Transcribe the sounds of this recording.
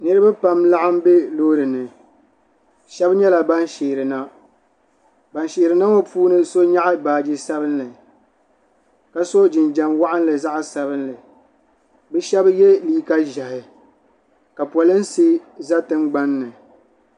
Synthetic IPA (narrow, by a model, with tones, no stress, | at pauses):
nɨ˦ɾɨ˦ba˦pa˦mla˦ʔa˦m˦be˦loː˦ɾɨ˨nɨ˨ | ʃɛ˦bɲɛ˦la˨ba˦nʃeː˨ɾɨ˨na˦ | ba˨nʃeː˨ɾɨ˨na˦wo˦puː˦nɨ˦so˦ɲa˦ʔa˦baː˨d͡ʒɪ˦sa˦bɨ˦nlɨ˨ | ka˨so˦d͡ʒɪ˨nd͡ʒa˨mwa˦ʔɪ˦n˦lɨ˨za˦ʔsa˨βɨ˦nlɨ˨ | bɨ˦ʃɛ˦bjɛ˦liː˦ka˦ʒa˨hɪ˨ | ka˨pwɔ˨lɨ˦n˦si˦za˦tɨ˦mɡ͡ba˦nːɨ˨